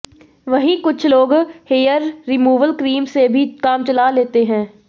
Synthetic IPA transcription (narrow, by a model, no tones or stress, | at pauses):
ʋɐɦĩkʊt͡ʃʰloːɡheːjəɾːɪmuːʋəlkɾiːmsebʱikaːmt͡ʃɐlaleːt̪eɦɛ̃ː